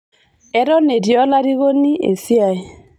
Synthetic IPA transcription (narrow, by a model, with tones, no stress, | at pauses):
ɛ˦ɾɔ˦ne˨djɔ˦la˦ɾi˦ɣo˦ni˦ʔḛ˨sja˨i˨